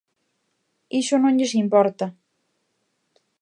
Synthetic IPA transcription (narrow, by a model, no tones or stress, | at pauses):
iʃonõɲʎesimpɔɾt̪a